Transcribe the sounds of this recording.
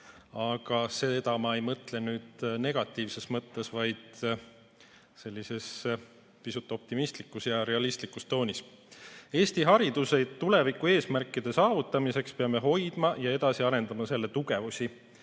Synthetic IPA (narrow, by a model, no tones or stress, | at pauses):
ɑɡ̥ɑse̞d̪ɑmɑe̞jmɤt̪le̞nyːd̪̥ne̞ɡ̥ɑt̪ːˑiːvse̞smɤt̪ːe̞svɑjd̪̥ | se̞lʲːise̞s | pisut̪ːˑo̞p̚t̪imist̪likːˑusjɑɾe̞ɑlist̪likːust̪o̞ːnʲis | e̞ːst̪iɦɑɾid̪use̞t̪ːule̞vikːˑue̞ːsmærkːˑid̪̥e̞sɑːvut̪ːˑɑmise̞kspeɑme̞ɦo̞jd̪̥mɑjɑe̞d̪̥ɑsiɑɾe̞nd̪ɑmɑse̞lːe̞t̪uɡe̞vusʲi